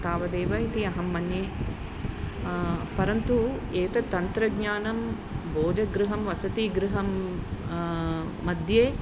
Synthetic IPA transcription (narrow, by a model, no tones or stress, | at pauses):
t̪aːʋɐd̪eːʋɐit̪iɐɦɐmːɐnjeː | pɐɾɐnt̪ueːt̪ɐt̪ɐnt̪ɾɐɡɲaːnɐm | bʱoːd͡ʒɐɡɾuɦɐmʋɐsɐt̪iːɡɾuɦɐm | ɐd̪ʱjeː